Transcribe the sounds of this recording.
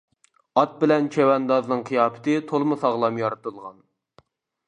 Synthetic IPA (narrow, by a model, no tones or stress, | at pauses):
ɑt̪̚bɪlɛnt͡ʃʰewɛnd̪ɑznɨŋqʰijɑːpʰɪ̥t̪ɨt̪ʰolˠmʊsɑʁlˠɑmjɑɾɨt̪ʰɨlˠʁɑn